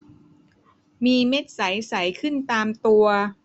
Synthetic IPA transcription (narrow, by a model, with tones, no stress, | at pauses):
miː˧me˦˥˩t̪̚sa˩˦jsa˩˦jkʰɯ˥˩nt̪aː˧mt̪u˧ɐ